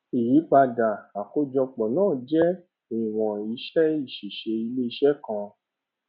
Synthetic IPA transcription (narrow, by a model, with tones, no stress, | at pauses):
i˨ji˨˦k͡pa˧da˨a˨ko˨˦d͡ʒɔ˧k͡pɔ˨nãː˦˨d͡ʒɛ˦ | i˨w̃ɔ̃˨i˧ʃɛ˦i˦˨ʃi˨ʃe˧i˧le˦i˧ʃɛ˦kã˧